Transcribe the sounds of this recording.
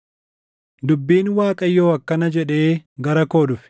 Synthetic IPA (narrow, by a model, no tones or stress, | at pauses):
d̪ʊbːiːnwaːkʼɐjːoːɐkːɐnɐd͡ʒɛᶑe̞ːɡɐɾɐko̞ːdʊfɪ̥